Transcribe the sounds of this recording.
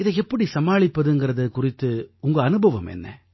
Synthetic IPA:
ɪðɛɛpːɐɽisɐmaːɭɪpːɐðɯŋɡɪɾɐðɯkʊrɪt̪ːɯʊŋɡɐːnɯbʱɐʋɐmɛ̰nːɐ̰

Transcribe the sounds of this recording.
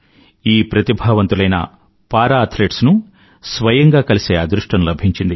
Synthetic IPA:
iːpɾɐt̪ibʱɐːʋɐnt̪ulɐjnɐ̰ | paːɾaːɐt̪ʰleːʈsnu | sʋɐjɐŋɡaːkɐliseːɐd̪ɾuʂʈɐnlɐbʱiɲt͡ʃind̪i

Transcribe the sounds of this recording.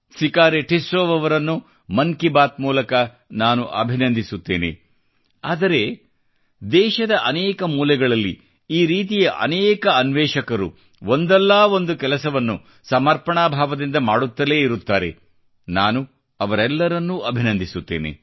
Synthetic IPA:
sikaːɾeʈʰisɾoːʋɐʋɐɾɐnːu | mɐŋkibaːt̪̚muːlɐkɐ | naːnuʔɐbʱinɐnd̪ʱisut̪ːeːnḛ | aːd̪ɐɾe̞ | d̪ɛːʃɐd̪ɐʔɐnɛːkɐmuːlɛɡɐɭɐlːḭ | iːɾiːt̪ijɐʔɐ̰nɛːkɐɐnʋɛːʂɐkɐɾṵ | ond̪ɛlːaːo̞nd̪ukɛlɐsɐʋɐnːu | sɐmɐɾpɐɳaːbʱaːʋɐd̪ind̪ɐmaːɽut̪ːɐleːiɾut̪ːaːɾe̞̰ | naːnu | ɐʋɐɾɛlːɐɾɐnːuɐbʱinɐnd̪ʱisut̪ːḛːnḛ

